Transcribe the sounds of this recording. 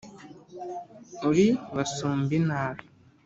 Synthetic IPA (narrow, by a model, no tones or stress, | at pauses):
uɾiβasuːmbinaːɾi